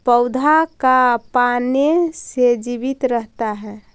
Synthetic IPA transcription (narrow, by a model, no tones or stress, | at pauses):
pəʊd̪ʱakapanesed͡ʒibit̪ɾəɦt̪aɦɛ